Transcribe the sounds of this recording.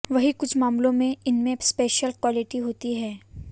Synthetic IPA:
ʋɐɦikʊt͡ʃʰmaːmlõmẽɪnmẽspeːʃəlkwaːlɪʈiɦoːt̪iɦɛː

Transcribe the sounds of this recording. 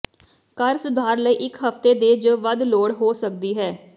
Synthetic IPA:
kəɾsʊd̪ʱaːɾləiːʔɪkɦəft̪eːd̪eːd͡ʒəʋəd̪loːɽɦoːsək̚d̪iːɦɛː

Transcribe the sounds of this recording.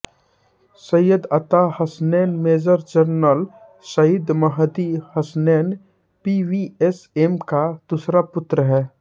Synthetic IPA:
səjəd̪ɐt̪ahəsnɛːnmeːd͡ʒəɾd͡ʒəɾnəl | səjɪd̪məɦd̪ihəsnɛːn | piʋiesemkad̪̥usɾapʊt̪ɾəɦɛː

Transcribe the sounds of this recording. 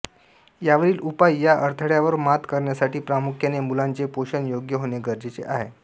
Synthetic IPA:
jaʋəɾiːlupajːjaʔəɾt̪ʰəɽjaʋəɾmat̪kəɾɳjasaʈiːpɾamukʰjanemulãnt͡sepoɕənjoɡjəɦoneɡəɾd͡ʑet͡sḛʔa̰ɦe

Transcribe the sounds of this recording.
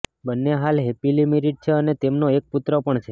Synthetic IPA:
bənːeɦalɦepilimiɾiʈ̚t͡ʃʰeənet̪emnoek̚put̪ɾəpəɳt͡ʃʰe

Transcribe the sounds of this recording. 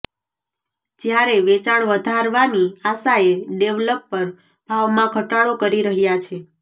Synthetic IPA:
d͡ʒjaɾeʋet͡ʃaɳʋəd̪ʱaɾʋaniasaeɖeʋləpːəɾ | b̥ʱaʋmãkʰəʈaɭokəɾiɾəɦjat͡ʃʰe

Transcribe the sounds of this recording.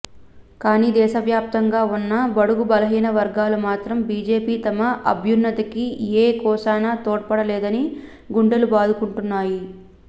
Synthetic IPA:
kaːniːd̪ɛːʃɐʋjaːp̚t̪ɐŋɡaːunːɐbɐɽuɡubɐlɐɦiːnɐʋɐɾɡaːlɐmaːt̪ɾɐmbiːd͡ʒe̞ːpiːt̪ɐmɐʔɐ̰bʱjunːɐt̪ɐkieːkɔːsaːnaːt̪oːʈ̚pɐɽɐlɛːd̪ɐni | ɡuɳɖɐlubaːd̪ukuɳʈunːaːji

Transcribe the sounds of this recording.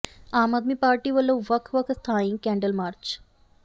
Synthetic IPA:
aːmad̪miːpaːɾʈiːʋəlːoʋɐkʰʋɐkʰst̪ʰaːĩŋkɛ̃ːɳɖəlmaːɾt͡ʃ

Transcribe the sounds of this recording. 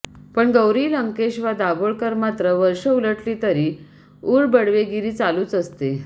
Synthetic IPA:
pəɳɡəwɾiːləŋkeɕʋad̪aboɭkəɾmat̪ɾəʋəɾʂəuləʈliːt̪əɾiː | uːɭbəɽʋeɡiɾiːt͡saluːt͡səst̪e

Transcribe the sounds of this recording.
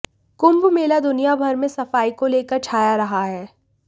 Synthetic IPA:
kʊ̃mbmeːlad̪ʊnijabʱɐɾmẽsɐfaːikoleːkəɾt͡ʃʰaːjaɾɐɦaɦɛː

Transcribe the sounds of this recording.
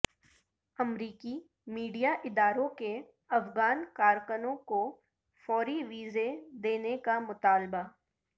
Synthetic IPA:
ɐmɾiːki | miːɖijaʔɪd̪aːɾõke | ɐfɡaːnkaːɾkənõko | fɔːɾiʋiːzed̪eːnekamʊt̪aːlba

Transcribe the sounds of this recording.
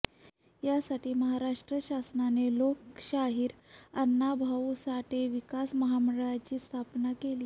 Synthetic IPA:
jasaʈiːməɦaɾaʂʈɾəɕasnanelokɕaɦiːɾənːabʱausaʈʰeʋikasməɦaməɽɭat͡ɕiːst̪ʰapnakeliː

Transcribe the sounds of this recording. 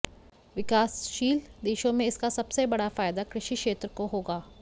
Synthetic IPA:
ʋɪkaːsʃiːld̪eːʃõmẽɪskasɐbsebɐɽafaːjd̪akɾɪʃikʃeːt̪ɾəkoɦoːɡaː

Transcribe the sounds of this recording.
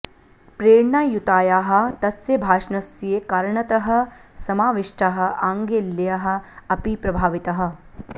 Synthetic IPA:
pɾeːɾɳajut̪aːjaːɦɐ̆t̪ɐsjɐbʱaːʂɳɐsjeːkɐɾɳɐt̪ɐɦɐ̆sɐmaːʋiʂʈaɦɐ̆ʔaːŋɡeːlːjɐɦɐ̆ɐpipɾɐbʱaːʋit̪ɐɦɐ̆

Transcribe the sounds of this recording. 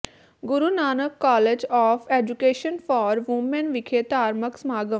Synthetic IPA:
ɡʊɾunaːnəkːɔːled͡ʒɔːfeːd͡ʒukeːʃənfɔːɾʋũmːɛ̃nʋɪkʰeːt̪aːɾməksmaːɡəm

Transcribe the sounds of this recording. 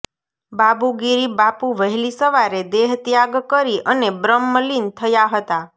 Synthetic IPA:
babuɡiɾibapuʋəɦlisəʋaɾed̪eɦt̪jaɡkəɾiʔənebɾəmːəlint̪ʰəjaɦət̪a

